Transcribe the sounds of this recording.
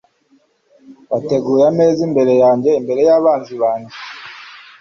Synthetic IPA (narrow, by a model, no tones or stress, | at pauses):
βateɡuːɾameːzimbe̞ɾe̞jaːɲɟe̞imbe̞ɾe̞jaβaːnziβaːɲɡi